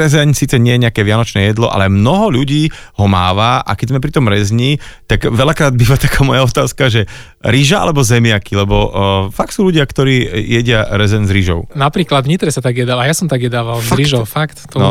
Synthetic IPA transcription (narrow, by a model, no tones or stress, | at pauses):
ɾɛzɛɲsiːt͡sɛɲɪɛjɛɲɛakɛːʋɪanɔt͡ʃnɛːjɛd̪lɔʔa̰lɛmnɔɦɔʎuɟiːhɔma̰ːʋaʔa̰kɛɟzmɛp̬ɾit̪ɔmɾɛzɲit̪aɡʋɛʎakɾaːd̪̚biːʋat̪ḁkaːmɔjaɔt̪aːskaʒɛ | ɾiʒaʔa̰lɛbɔzɛmɪakilɛbɔfak̚t̪suːluɟɪakt̪ɔɾiːjɛɟɪaɾɛzɛnzɾiʒɔ̰ʊnapɾiːklad̪vɲit̪ɾɛsat̪aɡjɛd̪alajasɔmt̪aɡjɛd̪aʋalzɾiʒɔfakt̪t̪ɔn